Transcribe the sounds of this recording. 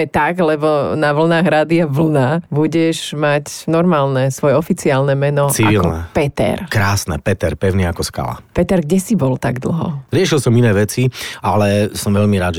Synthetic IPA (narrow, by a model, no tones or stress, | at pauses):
ɛt̪aɡlɛbɔnaʋl̩naːɣɾaːd̪iaʋl̩nabuɟɛʒmacnɔɾmaːlnɛsʋɔjɛɔfit͡siaːlnɛmɛnɔt͡siailɔnɛ̰pɛt̪ɛ̰ɾkɾaːsnɛ̰pɛt̪ɛɾpɛʊniakɔska̰la̰pɛt̪ɛɾɡɟɛsibɔlt̪aɡd̪l̩ɦɔ̰ɾɪɛʃilsɔminɛːʋɛt͡sialɛsɔmʋɛʎmiɾaːd̪ʒɛ